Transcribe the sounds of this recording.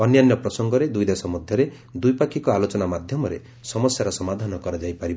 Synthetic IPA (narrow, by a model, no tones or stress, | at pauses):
ɔnjanjɔpɾɔsɔŋɡɔɾed̪ujd̪esɔmɔd̪ʱjɔɾe | d̪ujpakʰikɔalot͡ʃɔnamad̪ʱjɔmɔɾḛ | sɔmɔsjaɾɔsɔmad̪ʱanɔkɔɾad͡ʒajpaɾib